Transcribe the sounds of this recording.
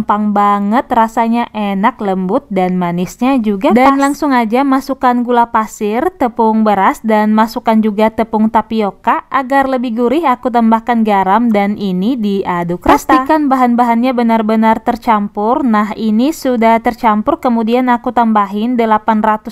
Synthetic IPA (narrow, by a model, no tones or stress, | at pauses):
mpaŋbaŋət̪rasaɲaʔenakləmbʊt̪̚danmanɪsɲad͡ʒuɡadanlaŋsʊŋad͡ʒamasukanɡulapasɪrt̪əpʊŋbəɾasdanmasukand͡ʒuɡat̪əpʊŋt̪apiokaʔaɡarləbɪhɡuɾɪɦakut̪ambahkanɡaɾamdanʔinidiʔadukɾast̪ikanbaɦanbaɦanɲabənarbənart̪ərt͡ʃampʊrnaɦinisudaht̪ərt͡ʃampʊrkəmudianakut̪ambaɦɪndəlapanrat̪ʊs